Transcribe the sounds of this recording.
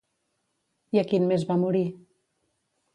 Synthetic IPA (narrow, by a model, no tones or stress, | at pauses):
iakinmezβamuɾi